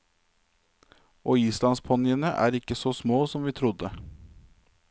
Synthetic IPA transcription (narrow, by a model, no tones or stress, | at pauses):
ʔoːiːslɑnspʰɔnɪənəʔæ̰ːɾɪkːəsosmoːsɔmʋiːt̪ʰɾʊd̪ə